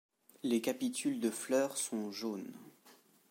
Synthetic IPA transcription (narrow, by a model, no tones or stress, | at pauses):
lekapit̪ʰyld̪əflœːʁsɔ̃ʒon